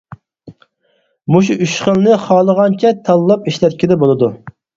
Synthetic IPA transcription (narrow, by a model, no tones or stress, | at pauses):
muʃ̬uʔyʃχəlˠnɪχɑːlˠəʁɑnt͡ʃʰɛt̪ʰɑlˠːɑpiʃlɛt̪̚kʲid̪ɛbolˠɨd̪u